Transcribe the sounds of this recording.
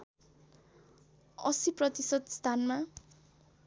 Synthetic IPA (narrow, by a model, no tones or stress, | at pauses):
ʌ̰siprʌt̪isʌt̪st̪ʰanma